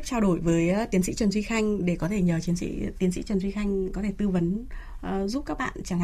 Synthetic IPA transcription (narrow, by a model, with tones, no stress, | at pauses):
p̚t͡ɕaː˧wɗo˧˩jvəː˨˦jt̪i˨˦ənsḭ˧˥t͡ɕwə˨˩nzwi˧xa˧jŋ̟ɗe˧˩kɔ˨˦t̪ʰe˧˩ɲəː˨˩t͡ɕi˨˦ənsḭ˧˥t̪i˨˦nsḭ˧˥t͡ɕwə˨˩nzwi˧xa˧jŋ̟kɔ˨˦t̪ʰe˧˩t̪ɨ˧və˨˦n˨ | zu˦˥p̚kaː˦˥k̚ɓa̰ː˧˨nt͡ɕaː˧˩ŋ